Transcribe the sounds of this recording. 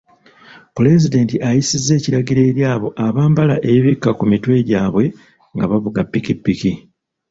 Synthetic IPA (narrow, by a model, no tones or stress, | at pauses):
pule̞zide̞ːntiʔajisizːe̞ːciɾaɟiɾe̞ːɾjaːβo̞ʔaβaːmbalaʔe̞βikːakumitwe̞ːɟaːβwe̞ | ŋɡaβavuɡapːikipːiki